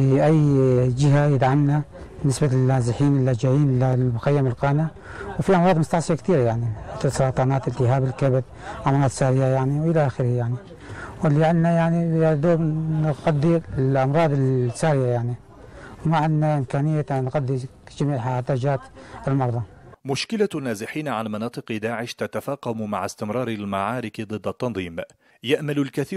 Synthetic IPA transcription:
iʔajːd͡ʒɪɦajɪd̪ʕamnabnɪsbalːaːzɪħiːnɪlːad͡ʒajiːnʔɪlːalmʊxajːamɪlqɑːna | wfiʔɑmɾɑːd̪mʊst̪aʕsˤɨjakt̪iːɾajaʕnimɪθɪlsˤɑɾˤɑːt̪ˤɑːnaːt̪ɪlt̪ɪɦaːbɪlkabd̪ | ʔɑmɾˤɑːd̪ˤsaːɾɪjajaʕniwʔɪlaʔaːxɪɾhajaʕni | wɪlːiʕɪnːajaʕniad̪oːbnqɑd̪ːilʔɑmɾˤɑːd̪ˤɪlsaːɾjajaʕni | wmaʕɪnːaʔɪmkaːnɪjːat̪anɣad̪ːi | d͡ʒamiːʕħaad̪aːd͡ʒaːt̪ɪlmɑɾˤðˤɑ | mʊʃkɪlanːaːzɪħiːnʕanmɑnɑːt̪ˤɨqd̪aːʕɪʃt̪at̪afɑːqɑmma̰ʕast̪ɪmɾˤɑːɾɪlmaʕaːɾɪkd̪ˤɨd̪ːat̪ːɑnðˤiːm | jaʔmalʊlkaθiː

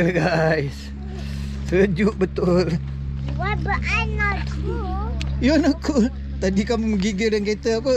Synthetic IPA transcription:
ɡajs | səəd͡ʒuʔbət̪ʊl | wabəʔanakujonakʰu | t̪adikamuməɡiɡəldanket̪əap̬u

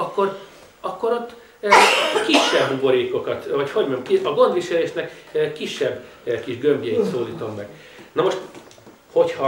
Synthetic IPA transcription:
ɒkːo̞r | ɒkːo̞ɾot̪ː | kiʃːɛbɦubo̞ɾeːko̞kɒt̪vɒcho̞ɟmɛmkiɒɡo̞nd̪ʋiʃɛleːʃnɛkːiʃːɛbː | kiʒɡømbjɛit̪soːliːt̪o̞mːɛɡ̥ | nomo̞ʃt̪ | ho̞chɒ

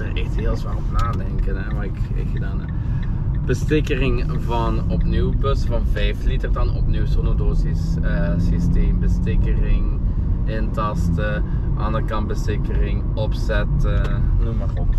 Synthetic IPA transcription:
ərɛxtɦeːlˠsʋaːlɔpnaːdɛŋkənɛmaɪkɪ̰danə | b̥əstɪkərɪŋvɑnɔpniwpøsfɑnvɛjflitərdɑnɔpniwsonodoːzisəsisteːmbəstɪkərɪŋ | ɪntɑstə | ʔɑ̰ndərkɑnbəstɪkərɪŋ | ɔpsɛtənumarɔp

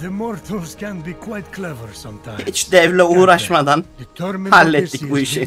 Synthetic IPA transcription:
ðɨmɔɾt̪ʰɔɹz̥kʰɛ̃nbikʰwajt̪kʰlɛvəɹsʌ̃mtʰhit͡ʃd̪ɛvlʲɛuːɾaʃmad̪antʰmhalʲːɛt̪ːicʲbuiʃin

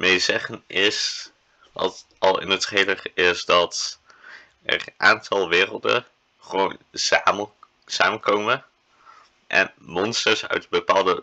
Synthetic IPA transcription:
mejzɛχənɪs | ʋɑ̰t | ɑlˠɪ̰nətrejləχɪsdɑt | ɛ̰rʔaːntʰɑlˠʋɪːrəlˠdə̰ | χəʋown | saːmənkowmə | ʔɛ̰nmɔnstəɹsœ̰ɥdbəpaːlˠdə

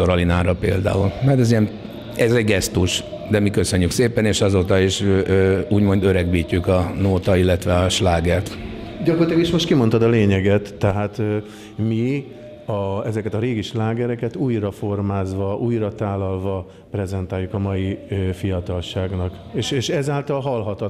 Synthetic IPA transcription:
oɾɒlinaːɾɒpeːld̪a̰ːulmɛt̪ɛzijɛm | ɛzɛɟɡɛst̪uʃ | d̪ɛmikøsøɲːykseːpɛneːʃɒzoːt̪ɒiʃ | uːɟmo̞nd̪øɾɛɡbiːcːykɒnoːt̪ɒilːɛt̪ʋɛɒʃlaːɡɛrt̪ɟɒko̞rt̪aːɡiʃmo̞ʃt̪̚kimo̞nt̪ɒd̪ɒleːɲɛɡɛt̪ːɛɦaːt̪ː | mi | ɒɛzɛkɛt̪ɒɾeːɡiʃlaːɡɛɾɛkɛt̪uːjrɒfo̞rmaːzʋɒʔuːjrɒt̪aːlːɒlvɒ | prɛzɛnt̪aːjukɒmɒjifijɒt̪ɒlʃaːɡnɒk | eːʃeːʃɛzaːlt̪ɒlɦɒlɦɒt̪ɒ

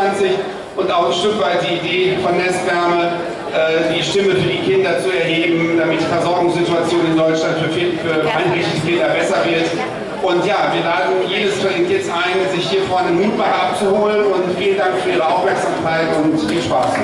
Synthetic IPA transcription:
ant͡sɪç | ʔʊntaʊxnʃtʏkv̥aɪt̚d̥iːideːfɔnːɛstv̥ɛɐmə | ʔɛːd̥iːʃtɪməfyːɐdiːkʰɪndɐt͡suɛɐɦeːbm̩d̥amɪtfɛɐzɔɐɡʊŋsz̥ɪtuat͡sjoːnənɪndɔʏt͡ʃlantffifyːɐʔa̰ɪnbɛɪskʰɪndɐbɛsɐvɪɐt | ʔʊntjaːviːɐlaːdn̩jeːdəsfɛʁɪŋtjɛt͡stʔaɪnzɪçhiːɐfɔɐnəmuːt̚b̥aːʁʔap̚t͡suhoːlənʊntfiːləndaŋkfyːɐʔiːʁəaʊfmɛɐkz̥aːmkʰaɪtʊntfiːlʃpa̰ːs

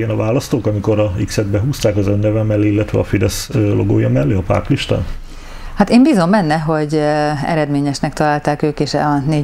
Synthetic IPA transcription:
ɡɛnɒvaːlɒst̪oːkɒmiko̞ɾɒiksɛd̪bɛɦuːst̪aːkɒzønːɛvɛmːɛlːeilːɛt̪ʋɛ̰ɒfid̪ɛslʔo̰ɡo̰ːjɒmɛlːeːɒpa̰ːrt̪liʃt̪a̰ːn | hat̪eːmbizo̞mmɛnːɛɦo̞ɟɛ̰ɾɛd̪meːɲɛʃnɛkt̪ɒlaːlt̪aːkøːkeːʃɒneː

